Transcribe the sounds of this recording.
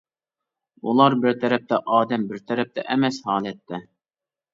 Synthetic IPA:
ulˠɑɾbɪɾt̪ʰɛɾɛp̚t̪ʰɛʔɑːd̪ɛmbɪɾt̪ʰɛɾɛp̚t̪ʰɛ̰ʔɛmɛshɑːlˠɛt̪ʰːɛ

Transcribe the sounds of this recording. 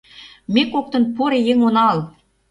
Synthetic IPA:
mekok̚t̪ə̆npuɾejeŋonɑl

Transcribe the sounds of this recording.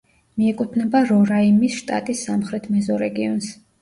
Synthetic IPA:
miɛkʼut̪ʰnɛbaɾɔɾaimisʃt̪ʼa̰t̪ʼisːamχɾɛt̪ʰmɛzɔɾɛɡiɔns

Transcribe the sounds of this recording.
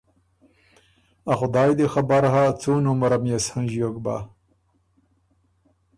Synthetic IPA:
axʊd̪ɑːjd̪exabaɾɦat͡suːnumaɾamjashanʒijokba̰

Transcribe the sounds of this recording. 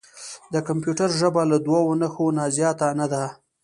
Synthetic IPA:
d̪əkampjuʈaɾʒəbalad̪wawonaxonɑzjɑt̪anad̪a

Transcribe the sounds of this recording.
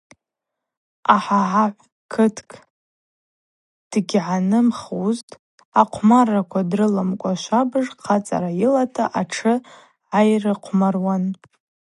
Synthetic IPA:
aħaʕaʕʷ | kʰɨtʰkʰʼ | d̥ɡʲʕanɨmχuztʼ | aqʷʰmarːakʷʰadrɨlamkʷʼaʃʷabɨʐqʰat͡sʼa̰ɾajilatʰaʔaʈ͡ʂʰɨ | ajrɨqʷʰmarwan

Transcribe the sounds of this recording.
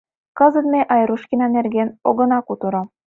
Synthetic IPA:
kɤ̆zɤ̆nmeʔɑjɾuʃkʲinɑnerɡʲenoɣɤ̆nɑkut̪ɤɾɤ̆

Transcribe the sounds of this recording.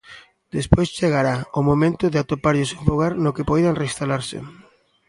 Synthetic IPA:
d̪espojst͡ʃeɣaɾaʊmomẽnt̪ʊðeat̪opaɾʎʊsewfoɣaɾnʊkepɔjðaŋrest̪alaɾsɪ̰

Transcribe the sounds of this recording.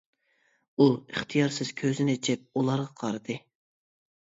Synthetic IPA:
uɨχt̪ʰijɑɾsɪz̥kʲʰøzɪnɪt͡ʃʰɪp̚ulˠɑɾʁɑqʰɑɾɨd̪ɨ

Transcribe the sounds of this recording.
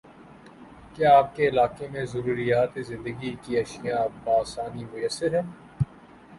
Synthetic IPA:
kjaːp̚keɪlaːkemẽzɐɾuːɾijaːt̪ezɪ̃nd̪əɡikiɐʃijãbaːsaːnimʊjəsːɪɾɦɛː

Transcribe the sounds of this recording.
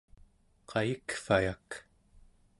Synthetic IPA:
qʰɑjikfajak

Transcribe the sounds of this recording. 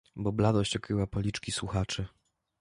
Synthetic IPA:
bɔblad̪ɔɕt͡ɕɔkɾɘwapɔlʲit͡ʂkʲiswuxat͡ʂɘ

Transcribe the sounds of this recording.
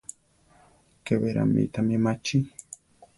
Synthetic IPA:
keβeɾa̰mḭt̪amemat͡ʃi

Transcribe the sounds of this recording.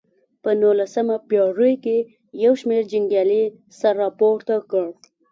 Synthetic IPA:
pənolasəmapjɑɾəjke | jawʃmeɾd͡ʒɪŋɡjali | saɾːɑpoɾt̪akəɽ

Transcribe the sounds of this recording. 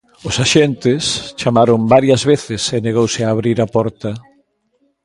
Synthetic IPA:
ʊsaʃɛnt̪ɪst͡ʃamaɾombaɾjɐzβeθɪseneɣowsɪaːβɾiɾapɔɾt̪ɐ

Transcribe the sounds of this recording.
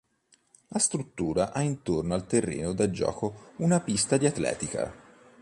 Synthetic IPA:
last̪ɾut̪ːuːɾaʔaint̪ornoalt̪erːḛːnod̪ad͡ʒɔ̰ːkounapist̪ad̪iat̪ːlɛ̰ːt̪ika̰

